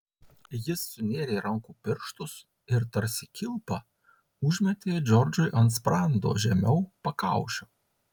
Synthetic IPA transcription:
jɪsːʊnʲeːɾʲeːɾɐŋkuːpʲɪɾʃt̪ʊs | ɪɾt̪ɐɾʲsʲɪkʲɪlˠpɑ | ʊʒʲmʲɛt̪ʲeːd͡ʒʲɔɾʲd͡ʒʊɪʔɐnt̪spɾɑnd̪o̰ːʒʲɛmʲɛʊpɐkɑˑʊʃʲoː

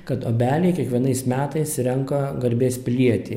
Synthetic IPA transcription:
kɐt̪oːbʲæːlʲɛɪkʲiɛkʋʲiɛnɐɪsmʲæːt̪ɐɪsɾʲɛŋkɐɡɐɾʲbʲeːspʲɪlʲiɛt̪ʲiː

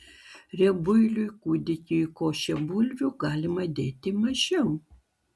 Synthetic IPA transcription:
ɾʲɛbʊɪlʲʊjkuːd̪ʲɪkʲʊjkoːʃʲɛbʊlʲʋʲuɡɑːlʲɪmɐd̪ʲeːt̪ʲɪmɐʒʲɛʊ

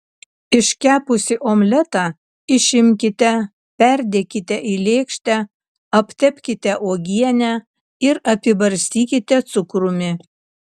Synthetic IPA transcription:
ɪʃʲkʲæːpʊsʲɪʔoːmʲlʲɛt̪ɑ | ɪʃʲɪmʲkʲɪt̪ʲɛ | pʲɛɾʲd̪ʲeːkʲɪt̪ʲɛʔilʲeːkʃʲt̪ʲɛ | ɐpʲt̪ʲɛpʲkʲɪt̪ʲɛʔoːɡʲiɛnʲæ | ɪɾɐpʲɪbɐɾʲsʲt̪ʲiːkʲɪt̪ʲɛt̪sʊkɾʊmʲɪ

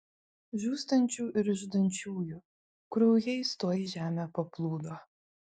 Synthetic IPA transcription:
ʒʲuːst̪ɐnʲt͡ʃʲuːʔɪɾɪʒd̪ɐnʲt͡ʃʲuːju | kɾɔʊjɛɪst̪oːjɪʒʲæːmʲepɐplˠuːd̪oː

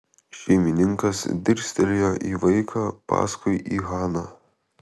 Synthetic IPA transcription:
ʃʲɛɪmʲɪnʲɪŋkɐsd̪ʲɪɾʲsʲt̪ʲɪlʲjoːʔiːʋɐɪkʰɑːpɑ̰ːskʊɪʔiːɣɑːnɑː

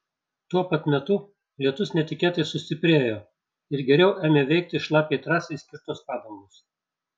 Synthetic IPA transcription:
t̪uɔpɐt̪mʲɛt̪ʊ | lʲiɛt̪ʊsnʲɛt̪ʲɪkʲeːt̪ɐɪsʊsʲt̪ʲɪpʲɾʲeːjoː | ɪɾɡʲɛɾʲɛʊʔæːmʲeːʋʲɛɪk̚t̪ʲɪʃlˠɑːpʲeːt̪ɾɑːsʲeɪsʲkʲɪɾt̪oːspɑːd̪oːmoːs

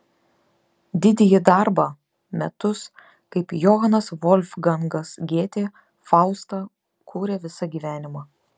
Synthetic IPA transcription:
d̪ʲɪd̪ʲɛjɪd̪ɐɾbɐ | mʲɛt̪ʊs | kɐɪpjɔɦɐnɐsʋɔlʲfɡɐŋɡɐsɡʲeːt̪ʲeː | fɑˑʊst̪ɑ | kʰuːɾʲɛʋʲɪsɐɡʲiːʋʲæːnʲɪmɑː

